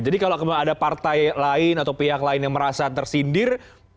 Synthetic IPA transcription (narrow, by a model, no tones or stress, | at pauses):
d͡ʒadikalokadapart̪ajlaɪnat̪awpiɦaklaɪnjaŋməɾasat̪ərsindɪr